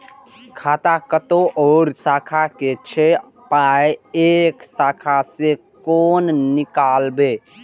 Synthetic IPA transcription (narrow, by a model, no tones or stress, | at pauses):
kʰaːt̪akət̪oʔɔːɾsakʰaket͡ʃʰe | paeeksakʰase | konnikalbe